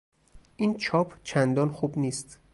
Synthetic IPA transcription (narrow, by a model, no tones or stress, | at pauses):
ʔint͡ʃʰɒːpʰt͡ʃʰænd̪ɒːnxuːbniːst̪